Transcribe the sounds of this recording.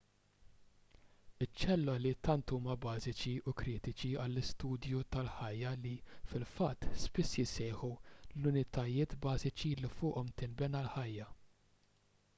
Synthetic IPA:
ɪt͡ʃːɛlːɔlit̪ɐnt̪uːmɐbɐːzɪt͡ʃiʊkɾiːt̪ɪt͡ʃiɐlːɪst̪uːd̪jut̪ɐlħɐjːɐlifɪlfɐt̪ːspɪsːjɪsɛːħulʊnɪt̪ɐjɪːt̪bɐːzɪt͡ʃilifʊːʔɔmt̪ɪnbɛnɐlħɐjːɐ

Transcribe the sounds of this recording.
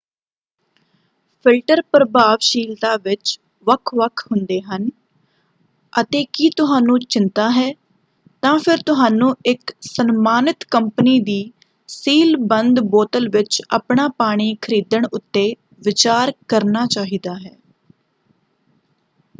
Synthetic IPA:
pʰɪlʈəɾpɾəbaːʋʃiːlt̪aːʋɪt͡ʃ | ʋəkʰʋəkʰɦʊnd̪eːɦən | ət̪eːkiːt̪ʊɦaːnũːt͡ʃɪnt̪aːɦɛː | t̪ãːpʰɪɾt̪ʊɦaːnũːɪksənmaːnɪt̪kəmpəniːd̪iː | siːlbənd̪boːt̪əlʋɪt͡ʃə̰pɳaːpaːɽ̃iːkʰəɾiːd̪əɳʊt̪ːeː | ʋɪt͡ʃaːɾkəɾnaːt͡ʃaːɦiːd̪aːɦɛː

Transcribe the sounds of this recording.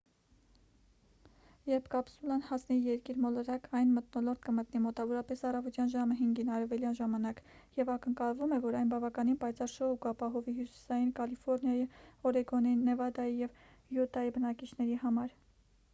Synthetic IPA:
jɛɾpʰkɑpsulɑnhɑsnɛijɛɾkiɾmɔləɾɑkɑjnmət̪nɔlɔɾt̪kəmət̪nimɔt̪ɑvɔɾɑpɛsɑrɑvɔt̪jɑnʒɑməɦiŋɡinɑɾɛvɛljɑnʒɑmɑnɑkjɛvɑkəŋkɑlvumɛvɔɾɑjnbɑvɑkɑninpɑjt͡sʰɑɾʃɔukɑpɑɦɔviɦjusi̥sɑjinkɑlifɔɾnjɑjiɔɾɛɡɔnɑjinːɛvɑd̪ɑjijɛv | jut̪ɑjibənɑkit͡ʃʰnɛɾihɑmɑɾ

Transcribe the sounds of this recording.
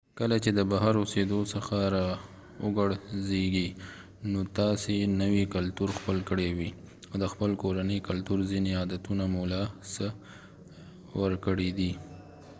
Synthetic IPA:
kəlat͡ʃed̪əbaɦaɾosed̪osəxaɾɑ | əɡaɽzeɡi | not̪ɑsenəwikalt̪uɾxpəlkəɽewi | awd̪əxpəlkoɾanəjkalt̪uɾzineɑd̪at̪unamulɑsə | wəɾkəɽed̪i

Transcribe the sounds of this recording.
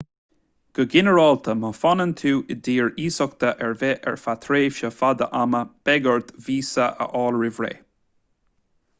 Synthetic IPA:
ɡ̥əɡɪnəɹɔːlt̪ʰəməfɔnənt̪ʰuːʔɪd̪iːɹiːsɔkt̪ʰəʔɛɹvɛʔɛɹfat̪ʰɾeːʃəfad̪ə̰ʔaməb̥ɛɡəɹt̪viːsəʔə̰ʔɑːlɹɪvɹḛː

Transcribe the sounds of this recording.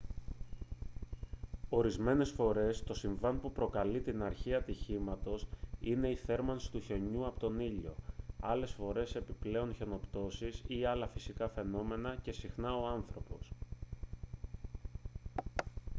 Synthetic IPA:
o̞ɾizme̞ne̞sfo̞ɾe̞st̪o̞siɱvɐnpupɾo̞kɐlit̪inɐɾçiɐt̪içimɐt̪o̞sine̞iθe̞ɾmɐnsi̥t̪uçe̞ɲuɐpot̪o̞niʎo̞̰ɐle̞sfo̞ɾe̞se̞piple̞onçe̞no̞pt̪o̞sisiɐlɐfisikɐfe̞no̞me̞nɐce̞sixnɐo̞ɐnθɾo̞po̞s

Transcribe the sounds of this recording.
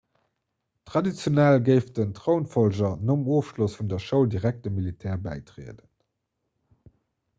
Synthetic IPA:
tʁɑdit͡sjonælɡəɪfdəntʁoʊnfɔlʒɐnomoːfʃlosfundɐʃəʊldiʁæk̚t̚dəmilitʰɛːɐbæ̰ɪtʁḛədən

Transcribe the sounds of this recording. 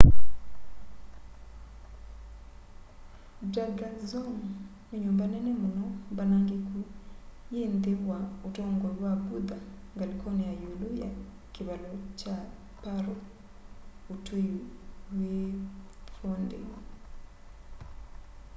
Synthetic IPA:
daɡazɔm | neɲombanɛnɛmonɔbanaŋɡeku | jend̪ewaotɔŋɡoɾwabud̪aŋɡalkʰoniajuluja | kɪβalɔt͡ʃa | paɾo | otejuwe | fondḛ

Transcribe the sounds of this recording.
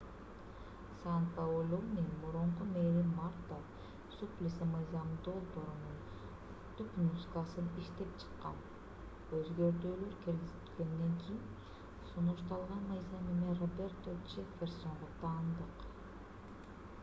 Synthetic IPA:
sanpaolʲonʲenmuɾuɴqumeɾimart̪ːa | suplʲɪsimɯjzɑmd̪o̞lˠbo̞ɾunun | t̪upmuzɨkasɯniʃt̪e̞p̚t͡ʃʰɨ̥qːɑn | øzɡøɾt̪øːlø̞ɾkʲiɾɡizilɡe̞nd̪eŋkʲʰijin | sunuʃt̪ɑlˠʁɑnmɯjzɑmemerobʲert̪ot͡ʃefʲerso̞ɴʁot̪ʰɑːnd̪ɯq

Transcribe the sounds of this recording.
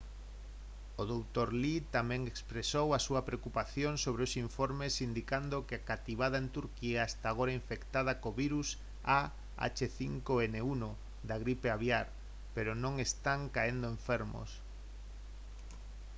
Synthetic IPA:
oðowt̪oɾlit̪amɛ̃ŋekspɾesowasuɐpɾeokupaθjoŋsoβ̞ɾeosiɱfoɾmesind̪ikand̪okeakat̪iβ̞að̞aent̪uɾkiaest̪aɣ̞oɾaiɱfekt̪að̞akoβiɾus | a | a̰t͡ʃeθiŋkoeneuno | d̪aɣɾipeaβjaɾ | peɾonõŋest̪aŋkaend̪oeɱfeɾmo̰s

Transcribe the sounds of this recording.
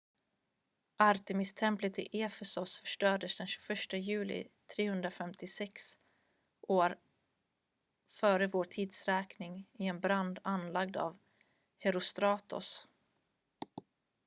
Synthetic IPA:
ʔaɾt̪əmɪst̪ʰɛmplət̪ɪ̰ʔeːfɛsʊsfœʂʈœːɖəsd̪ɛnɕʉ̥fœʂʈəjʉ̟ːlɪ̰t̪ʰɾeːhɵnd̪ɾafɛmt̪ɪsɛks | ʔoːɾ | fœːɾəvoːʈʰiːd̪sɾɛːknɪŋɪɛnbɾand̪anːlaɡ̚d̪a̰v | hɛɾʊst̪ɾɑːt̪ʊ̰s

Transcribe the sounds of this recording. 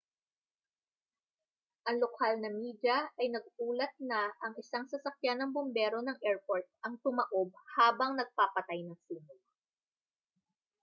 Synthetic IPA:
ʔɐŋlokʰalnɐmid̪jɐʔɐjnɐɡ̚uːlɐt̪̚nɐʔɐŋɪsaŋsɐsɐkjanɐŋbombɛɾo̞nɐŋʔɛɹpoɹt̪̚ʔɐŋt̪ʊmɐʔo̞b̚haːbɐŋnɐɡ̚papɐt̪ajnɐŋsiːmʊl

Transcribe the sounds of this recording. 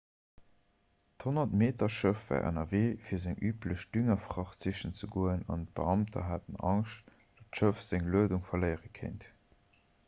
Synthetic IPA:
thonɐtmeːtɐʃəfvæ̰ːɐʔə̰nɐveːfiːɐzæŋʔyːpləʃd̥yŋɐfʁɑχt͡siʃənt͡səɡoːənɑ̰nt̚b̥əɑmtʰɐ̰ɦatənɑŋʃt | d̥ɑtʃəfz̥æŋluəduŋfɐləɪəʁəkʰḛnt

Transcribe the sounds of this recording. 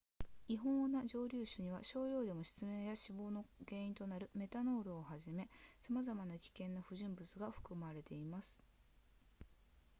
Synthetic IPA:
iɦõ̞naʑo̞ːɾʲɨːɕɨɲ̟iβaɕo̞ːɾʲo̞ːd̪e̞mo̞ɕi̥t͡sɨmẽ̞ɰjaɕibo̞ːno̞ɡe̞ːĩnt̪o̞naɾɯ̟me̞t̪ano̞ːɾɯohaʑime̞samazamanakʲi̥kẽ̞nːaɸɯ̟ʑĩmbɯ̟t͡sɨɡaɸɯ̟̥kɯ̟maɾe̞t̪e̞imasɨ̥

